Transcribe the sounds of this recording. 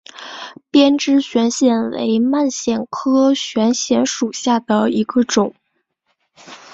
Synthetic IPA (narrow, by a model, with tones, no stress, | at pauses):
pjɛ˥nʈ͡ʂɻ̩˥ɕɥɛ˧˥nɕjɛ˨˩nwḛ˧˥ɪma˥˩nɕjɛ˨˩nkʰɤ˥ɕɥɛ˧˥nɕjɛ˧˥nʂu˨˩ɕja˥˩d̪ə˩i˧˥ɡə˧ʈ͡ʂʊ˨˩˦ŋ